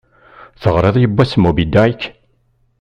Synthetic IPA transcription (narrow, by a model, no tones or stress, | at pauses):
θəʁɾˤeðˤjəbːæsmubid̪aikː